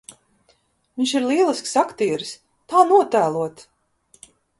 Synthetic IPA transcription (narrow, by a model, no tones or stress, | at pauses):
viɲʲʃiɾlˠiɛlˠisksakt̪iːɛɾs | t̪aːnuɔt̪æːlˠuɔt̪